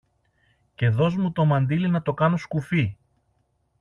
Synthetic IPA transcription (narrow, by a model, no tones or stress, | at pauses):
ce̞ðo̞zmut̪o̞mɐnd̪ilinɐt̪o̞kɐno̞skufi